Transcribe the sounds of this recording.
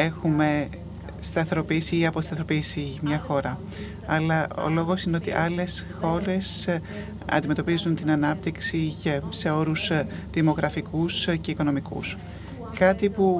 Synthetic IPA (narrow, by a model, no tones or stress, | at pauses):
e̞xume̞ | st̪ɐθeɾo̞pisiiɐpo̞st̪ɐθɾopisimɲɐxo̞ɾɐ | ɐlɐo̰lo̞ɣo̞sine̞o̞t̪ḭʔɐle̞sxo̞ɾe̞s | ɐ̰nd̪ime̞t̪o̞pizunt̪inɐnɐp̚t̪iksicese̞o̞ɾusðimo̞ɣɾɐfikusce̞iko̞no̞mikṵs | kɐt̪ipu